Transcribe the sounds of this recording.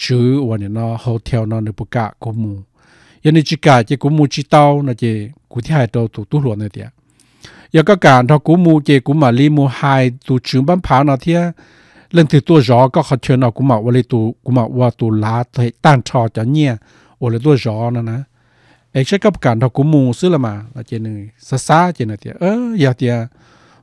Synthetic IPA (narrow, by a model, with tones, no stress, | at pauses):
t͡ʃɨː˨˦wə˨nĩ˨nɔ̃˧ho˧t̪ʰɛ˧wnɔ̃˧nə˧˨pu˧˨ka̰˧˨ʔku˧˦mũː˧ | ja˧˨nĩ˧t͡ʃi˧kaː˧˩˨ke˧ku˧˦muː˧t͡ʃi˧˦t̪a˧wnɔ̃˧ke˧ku˧˦t̪ʰi˦haː˧jto˧wt̪u˨t̪u˧˦ɦlu˨ə˨na˧˨t̪i˧˨a̰˨ʔ | jɔ˧˨ka˦˨kaː˨ntʰɔ˧ku˧˦mũː˧ke˧ku˨˦mã˨li˧˦mũ˧haː˧jt̪u˧t͡ʃɨ˨˦ba˧˨npʰaː˨˦nɔ̃˧t̪ʰi˦ə˦ | lə˧˨ŋt̪ʰɨ˧˨t̪u˧ə˨zɔː˨˦kɔ˧˨kʰɔ˧˩t͡ɕʰəː˧na˧˩ku˧˦ma˨ʔwli˧t̪u˧ku˨˦ma˨˩ʔwə˧t̪u˧˩laː˨˦t̪he˧˨t̪aː˧˨ŋtʰɔ˧t͡ɕɔ˨˦ɲi˧ə˨ | ʔo˧˨la˧˨˦t̪̬u˧˨zɔː˨˦na˧na˧˦ | ʔe˧˦k̚sa˦ka˧˦p̚kaː˨ntʰa˧ku˧˦muː˧sɨ˧˦la˧˨maː˨na˧ce˧nɯ˧˩sa˧˦saː˧˦t͡ɕe˧na˨˩t̪i˧a̰˧˨ʔəː˧˦ja˧t̪i˧a˧